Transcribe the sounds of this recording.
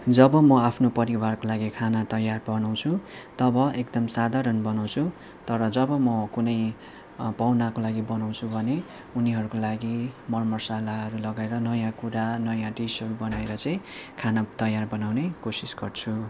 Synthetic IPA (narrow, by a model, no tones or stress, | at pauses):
d͡zʌbʌmʌapʰnopʌɾiwarkolaɡikʰanat̪ʌjːarbʌnaw̃t͡sʰut̪ʌbʌekd̪ʌmsad̪ʱaɾʌnbʌnaw̃t͡sʰu | t̪ʌɾʌd͡zʌbʌmʌkunʌj | pawnakolaɡibʌnaw̃t͡sʰubʱʌne | uniɦʌɾukolaɡimʌrmʌrsalaɦʌɾulʌɡaeɾʌnʌjãkuɾanʌjãʈisʌɾubʌnaeɾʌt͡saĩkʰanat̪ʌjarbʌnawnekosisɡʌrt͡sʰu